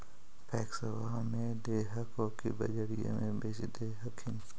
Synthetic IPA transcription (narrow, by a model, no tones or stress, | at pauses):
pʰɛːksəwaːmẽd̪eːɦəkõkibɐ̰d͡ʒəɾijõ̰mẽbeːt͡ʃd̪eːɦəkʰɪ̃n